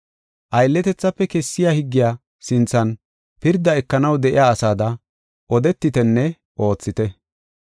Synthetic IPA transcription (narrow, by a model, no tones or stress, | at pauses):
ʔɐjlːɛt̪ɛt͡sːɐpːɛkɛsːɪjaːhɪɡːɪjaː | sɪnt͡sːɐn | pɪɾd̪ːɐɛkːɐnɐwd̪ɛʔɪ̰jaːsaːd̪ɐ | ʔɔd̪ɛt̪ːɪt̪ɛnːɛ | ʔo̞ːt͡sːɪt̪ɛ